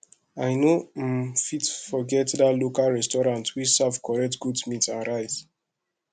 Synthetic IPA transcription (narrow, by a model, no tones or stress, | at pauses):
aɪno | fitfɔɡɛtdatlokalɹɛstɔɹãntʰwit͡ʃsavkʰɔɹɛk̚tɡudmitsãnɹaɪt